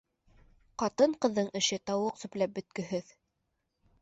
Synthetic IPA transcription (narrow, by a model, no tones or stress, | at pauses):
qɑt̪ɤɴqɤ̆ðːɤɴɘ̆ʃɘt̪ɑwɤqsɵ̆plæp̚bɵ̆t̪̚kɵ̆ɦɘð